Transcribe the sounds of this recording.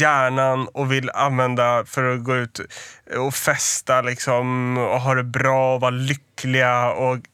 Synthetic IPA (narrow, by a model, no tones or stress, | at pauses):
æːɳanɔvɪlːa̰nvɛnd̪afœɾɔɡoːʉ̟ːt̪ɔfɛst̪alɪksɔmɔ̰ɦɑɖɛbɾɑːɔvalʏkːlɪɡaɔ